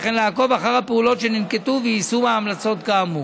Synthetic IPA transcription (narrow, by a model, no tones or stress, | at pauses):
χenlaːko̞vaχaʁhapeulo̞tʃeninket̪uveisumeamlat͡so̞t̪ɡamu